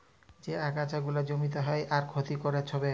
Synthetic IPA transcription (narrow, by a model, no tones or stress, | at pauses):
d͡ʑeakat͡ɕaɡulad͡ʑomit̪oɦɔeʔaɾkʰot̪ikoɾet͡ɕʰɔbe